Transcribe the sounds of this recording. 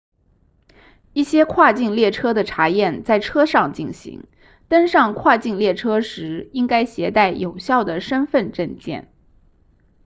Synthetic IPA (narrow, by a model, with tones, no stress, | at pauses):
i˥˩ɕjɛ˥kʰwa˥˧t͡ɕi˥˧ŋljɛ˥˩ʈ͡ʂʰɤ˥d̪ə˨ʈ͡ʂʰa˧˥jɛ˥˩nt͡sa˥˩ɪʈ͡ʂʰɤ˥ʂɑ˥˧ŋt͡ɕi˥˩nɕḭ˧˥ŋ | t̪ə˥nʂɑ˥˧ŋkʰwa˥˧t͡ɕi˥˧nljɛ˥˩ʈ͡ʂʰɤ˥ʂɻ̩˧˥i˥ŋka˥ɪɕjɛ˧˥t̪a˥˩ɪjo˨˩ʊɕjɑ˥˩ʊd̪ə˩ʂə˥nfə˥˧nʈ͡ʂə˥˧nt͡ɕjɛ̰˥˩n